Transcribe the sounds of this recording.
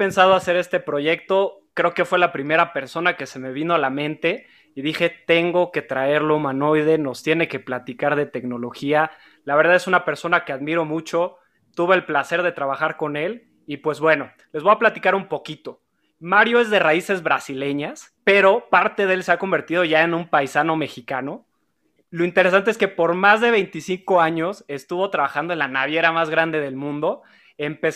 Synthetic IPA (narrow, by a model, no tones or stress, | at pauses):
pe̞nsað̞oase̞ɾe̞st̪e̞pɾo̞ʝe̞k̚t̪o̞kɾe̞oke̞fwe̞lapɾime̞ɾape̞ɾso̞nake̞se̞me̞βinoalamẽ̞nt̪e̞ | iðixe̞t̪e̞ŋɡo̞ke̞t̪ɾae̞ɾlo̞mano̞jðe̞no̞st̪je̞ne̞ke̞plat̪ikaɾð̞e̞t̪e̞kno̞lo̞xia | laβe̞ɾðaðe̞sunape̞ɾso̞nake̞aðmiɾo̞mut͡ʃo̞ | t̪uβe̞ːlplase̞ɾðe̞t̪ɾaβaxaɾko̞ne̞l | ipwe̞zβwe̞no̞ | le̞zβo̞japlat̪ikaɾumpo̞kit̪o̞ | maɾjo̞e̞zðe̞raise̞zβɾasile̞ɲaspe̞ɾo̞paɾt̪e̞ðelse̞ako̞mbe̞ɾt̪ið̞o̞ʝae̞nũmpajsano̞me̞xikano̞ | lo̞int̪e̞ɾesant̪eeskepo̞ɾmazðe̞βe̞jnt̪isiŋko̞aɲo̞se̞st̪uβo̞t̪ɾaβaxand̪oenlanaβ̞je̞ɾamazɣɾand̪e̞ð̞e̞lmũnd̪o̞ | e̞mpe̞